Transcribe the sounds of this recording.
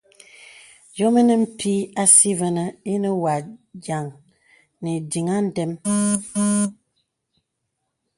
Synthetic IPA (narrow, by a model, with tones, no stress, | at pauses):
jo˦mə˦nə˦m̩˦tʰi˦a˦si˦və˦nə˦i˦nə˦wa˨d͡ʒa˨ŋ | ne˨di˨ŋa˦n̩˦dɛ˦m